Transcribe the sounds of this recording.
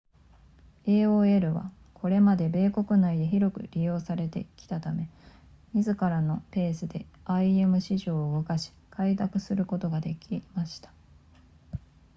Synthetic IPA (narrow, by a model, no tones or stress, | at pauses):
e̞ːoːe̞ɾɯ̟βa̰ | kʰo̞ɾe̞mad̪e̞be̞ːko̞kɯ̟naid̪e̞çiɾo̞kɯ̟̰ɾʲijo̞ːsaɾe̞t̪e̞̰kʲi̥t̪at̪ame̞ | mʲizɨkaɾano̞pe̞ːsɨd̪e̞aie̞mɯ̟ɕiʑo̞ːɯɡokaɕi̥kʰaid̪akɯ̟sɨɾɯ̟ko̞t̪o̞ɡad̪e̞kʲimaɕi̥t̪ḁ